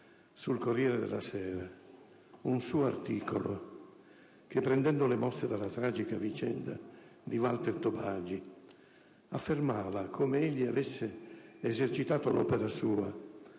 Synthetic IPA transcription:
sulkorːjɛːɾed̪ɛ̰lasɛːɾa | unsuːoa̰rt̪iːkolo | k̟epːɾɛnd̪ɛnd̪olemɔsːed̪alːat̪ɾaːd͡ʒikavit͡ʃɛ̰nd̪a̰d̪ivalt̪ert̪obaːd͡ʒi | afːermaːvakʰomeeʎːiavesːeːzert͡ʃit̪aːt̪olʔɔ̰ːpeɾasuːa

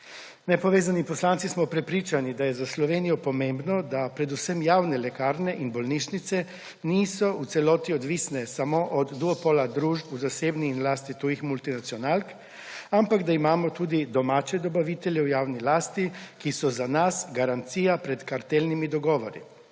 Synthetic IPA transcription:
nɛpɔʋeːzanipɔslant̪sismɔpɾɛpɾiːt͡ʃanid̪ajɛzaslɔʋeːnijɔpɔmẽmbnɔd̪apɾɛd̪usɛmjaːwnɛlɛkaːɾnɛʔinbɔlniːʃnit̪sɛ | niːsɔut̪sɛlɔːt̪iɔd̪ʋisnɛsamoʔɔd̪ːuɔpɔlad̪ɾuːʒpuzaseːbniːnlaːst̪it̪uːjixmult̪inat̪siɔnaːlk | ampaɡd̪aimaːmɔt̪uːd̪id̪ɔmaːt͡ʃɛd̪ɔbaʋit̪ɛljɛwjaːwnilaːst̪ikisɔzanasɡaɾant̪siːjapɾɛt̪kaɾt̪elnimid̪ɔɡɔːʋɔɾḭ

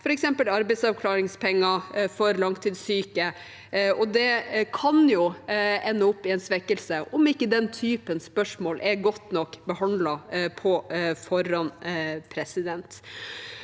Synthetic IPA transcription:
fɔɾɛksɛmpəlɑɾbɛɪd̪sɑʋkʰlɑːɾɪŋspʰɛŋːɑfɔɾlɑŋt̪ʰːiːd̪syːkə | ɔd̪ɛkʰɑnjʊɛnːəʊpːɪɛnsʋɛkːəlsəʔɔmɪkːəd̪ɛnt̪ʰyːpənspœʂmoːlʔɛɾɡɔt̪ːnɔkːbəhɑnd̪lɑpʰɔfɔɾɑnpʰɾɛsɪd̪ɛnt̪

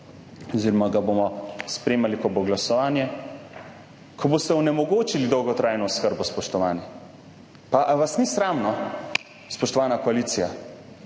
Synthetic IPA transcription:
ɔziːɾɔmaɡabomɔspɾeːmalikɔboɡlasɔʋaːnjɛ | kʰɔbost̪ɛɔnɛmɔɡoːt͡ʃilid̪ɔwɡɔt̪ɾaːjnɔskəɾbɔspɔʃt̪ɔʋaːnjɛ | paʔʋasnisɾaːmnɔ | spɔʃt̪ɔʋaːnakɔaliːt̪sija

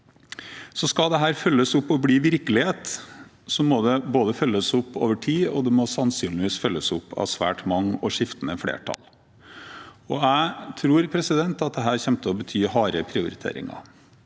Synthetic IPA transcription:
sɔskɑd̪ɛɦæːɾfœlːəsʊpːɔbliːʋɪɾkəlɪheːt̪ | sɔmɔd̪ɛboːd̪əfœlːəsʊpːo̰ːʋəʈʰiːɔd̪ɛmɔsɑnsyːnlɪʋiːsfœlːəsʊpːɑ̰ʋsʋæ̰ːʈmɑŋːɔʂɪft̪ənəfɽḛːʈʰɑ̰l | ɔæɪt̪ʰɾuːɾpʰɾɛsɪd̪ɛnt̪ɑt̪̚d̪ɛɦæːɾçɛmt̪ʰəɔbət̪ʰyːhɑːɾəpʰɾɪʊɾɪt̪ʰḛːɾɪ̰ŋɑ̰

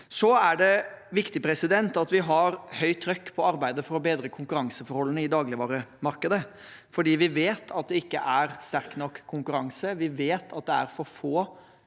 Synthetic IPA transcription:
sɔæɖɛʋɪkt̪ɪpʰɾɛsɪd̪ɛnt̪ɑt̪ʋɪɦɑɾhœʏt̪ʰːɾœkːpʰɔɑɾbæɪd̪əfɔɾɔbeːd̪ɾəkʰʊŋkʉɾɑŋsəfɔɾhɔlːənəɪd̪ɑːɡlɪʋɑːɾəmɑɾkəd̪ə | fɔɖiːʋɪʋeːt̪ʰɑt̪̚d̪ɛɪkːəʔæɾst̪æɾknɔkːkʰːʊŋkʉɾɑŋsəʋɪʋeːt̪ʰɑt̪̚d̪ɛæ̰ɾfɔɾfoː

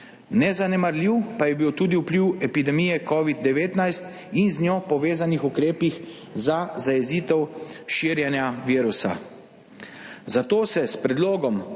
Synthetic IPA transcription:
nɛzanɛmaɾliwpajɛbiwt̪uːd̪iupliwɛpid̪ɛmiːjɛkɔːʋid̪̚ːɛʋeːt̪najst̪ | inznjoːpɔʋeːzanixukɾeːpix | zazajɛziːt̪ɛwʃiːɾjɛnjaʋiːɾusa̰ | zat̪oːsɛspɾɛd̪loːɡɔm

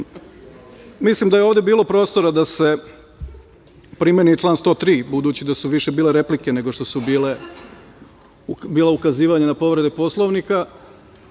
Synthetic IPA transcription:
mislimd̪ajeoʋd̪ebiːlˠo̞pɾo̞ːst̪o̞ɾad̪ase̞ | pɾimenit͡ʃlˠaːnst̪o̞ːt̪ɾiːbud̪uːt͡ɕid̪asuʋiʃe̞biːle̞ɾe̞plike̞ne̞ɡo̞ʃt̪o̞subile | biːlaukaziːʋaɲenapo̞ʋɾe̞d̪epo̞slˠoʋnika

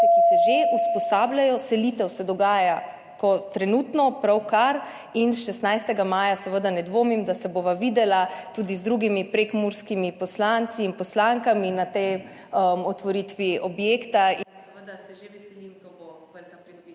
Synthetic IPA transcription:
kisɛʒeuspɔsaːblajɔsɛlit̪ɛwsɛd̪ɔɡaːja | kɔt̪ɾɛnuːt̪nɔpɾawkaɾ | insʃɛst̪najst̪ɛɡamaːjasəʋəd̪anɛd̪ʋoːmimd̪asɛboʋaʋiːd̪ɛlat̪ud̪izd̪ɾuːɡimipɾekmuɾskimipɔslant̪siːnpɔslaŋkaminat̪ɛjəmɔt̪ʋɔɾit̪ʋiʔɔbjeːkt̪asɛʋəd̪asɛʒeʋɛsɛlimt̪obopəlkapɾid̪i

